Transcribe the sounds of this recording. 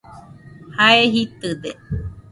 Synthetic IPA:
haeɦit̪ɨd̪e

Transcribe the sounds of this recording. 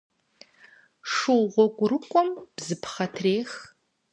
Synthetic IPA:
ʂɨwʁʷɔɡʷʊɾɨkʷʼɔmb̥zɨpʰχɐtʰreːx

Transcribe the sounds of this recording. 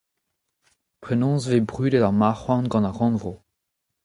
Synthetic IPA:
pχenɔ̃svebʁyːdelamaχwãnɡɑ̃naʁɑ̃nvʁo

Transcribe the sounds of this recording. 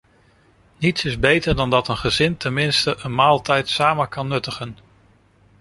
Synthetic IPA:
nitsɪzbejtəɹdɑndɑtənχəzɪntɛnmɪnstəʔənmaːlˠtɛjtsaːmənkɑnːɵtəχən

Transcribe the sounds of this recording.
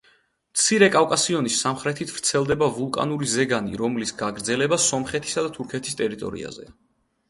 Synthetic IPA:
mt̪sʰiɾɛkʼavkʼasiɔnisːamχɾɛt̪ʰit̪ʰvɾt̪sʰɛlˠd̪ɛbavulˠkʼa̰nuɾizɛɡanḭɾɔmlisɡaɡɾd̪zɛlɛbasɔmχɛt̪ʰi̥sad̪at̪ʰuɾkʰɛt̪ʰi̥st̪ʼɛɾit̪ʼɔ̰ɾḭa̰zɛ̰

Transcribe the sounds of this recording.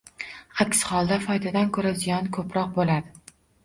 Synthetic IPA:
akʲshɒlˠd̪afɒjd̪ad̪ankʰɵɾazijɒnkʰɵpɾɒq̚bolad̪ɪ

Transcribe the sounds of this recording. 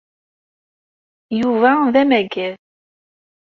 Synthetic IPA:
juvæðæmæɡæð

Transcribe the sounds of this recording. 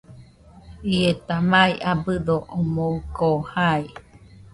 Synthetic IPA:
iet̪amaiʔabɨðoʔomoukoːhai

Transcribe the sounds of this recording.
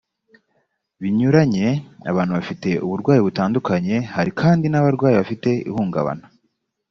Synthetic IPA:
βiɲuɾaɲe̞a̰βaːn̥uβafite̞ʔuβuɾɡwaːjiβutaːndukaɲe̞haɾikʰaːndinaβaɾɡwaːjiβafite̞ḭhuːŋɡa̰βa̰na

